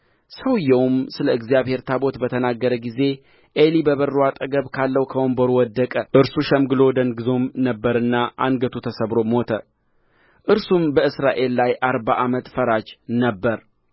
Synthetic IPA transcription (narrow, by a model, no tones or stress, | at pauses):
səwɨjːɛwmsɨləɨɡzijaβhe̞ɾt̪ʰabo̞t̪bət̪ʰənaɡːəɾəɡize̞ | ʔelibəβərːuat̪ʼəɡəβkʰalːəwkʰəwombəɾuwɔd̪ːəkʼəʔɨɾsuʃɛmɡɨlo̞d̪ənɡɨzomnəbːəɾɨnːaʔa̰ŋɡət̪ʰut̪ʰəsəβɾo̞mot̪ʰə | ʔɨɾsumbəɨsɾaʔe̞lːajʔaɾbaʔamət̪fəɾad͡ʒnəbːəɾ